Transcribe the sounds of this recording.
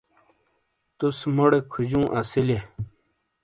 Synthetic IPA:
t̪usmoɽekʰud͡ʑũːʔɐsile

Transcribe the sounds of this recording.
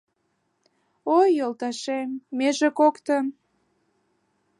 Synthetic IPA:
ojːolt̪ɑʃemːeʒekokt̪əm

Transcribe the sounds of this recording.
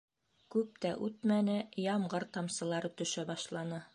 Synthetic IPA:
kʉp̚t̪æʔʉt̪mænɘjɑmɢɤɾt̪ɑmsɤ̆lˠɑɾɤt̪ɵ̆ʃæbɑʃlˠɑnɤ

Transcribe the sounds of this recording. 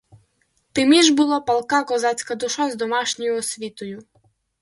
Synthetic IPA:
t̪ɪmʲiʒbʊlˠɔpɐlˠkɑkɔzɑt͡sʲkɐd̪ʊʃazd̪ɔmɑʃnʲɔjʊɔsʲʋʲit̪ɔjʊ

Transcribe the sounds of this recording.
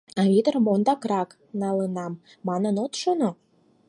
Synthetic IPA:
ɑβʲit̪ərmond̪ɑkrɑk | nɑlənɑmː | ɑnənot̪ʃono

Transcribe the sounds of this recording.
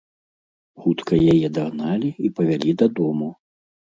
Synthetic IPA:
xut̪kɐjajɛd̪aɣnalʲiipɐvʲalʲid̪ɐd̪ɔmu

